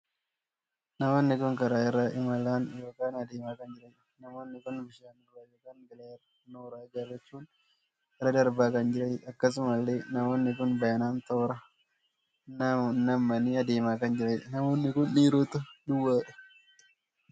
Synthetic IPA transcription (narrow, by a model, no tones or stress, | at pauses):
nɐmoːnːɪkʊŋkɐɾaːɪrːɐʔɪmɐlaːnjo̞ːkaːnɐd̪eːmaːkɐnd͡ʒɪɾɐjᶑ | nɐmoːnːɪkʊnbɪʃaːnoɾaːjoːkaːnɡɪlɐɛr | noːɾaːd͡ʒɐrɛt͡ʃːuːn | ɛɾɐd̪ɐɾbaːkɐnd͡ʒɪɾɐjɐkːɐs̬ʊmɐlːeːnɐmoːnːɪkʊnbɐjɐnaːnt̪oːɾɐ | nɐnːɐmːɐniːɐd̪eːmaːkɐnd͡ʒɪɾɐjnɐmoːnːɪkʊnːiːɾoːt̪ʊd̪ʊwːaːᶑɐ̥